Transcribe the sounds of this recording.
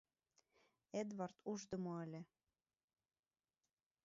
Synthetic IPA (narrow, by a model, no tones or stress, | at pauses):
ed̪vɑrt̪ʰuʒd̪ə̆moə̆lʲe